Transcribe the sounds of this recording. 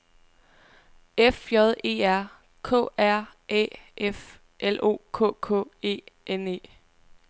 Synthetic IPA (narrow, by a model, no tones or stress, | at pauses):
efjɒð̞ˠʔe̝̰ːæɐ̰ | kʰɔ̰ːæɐ̰ʔɛ̰ːʔef | ʔelʔo̝̰ːkʰɔ̰̽ːkʰɔ̰ːe̝̰ːʔene̝̰ː